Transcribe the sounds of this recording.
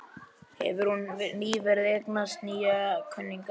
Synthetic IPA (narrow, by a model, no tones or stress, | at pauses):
hɛ̰vʏɾ̥hunniːvɛɾðɛknast̪niːjakʰœnːiŋka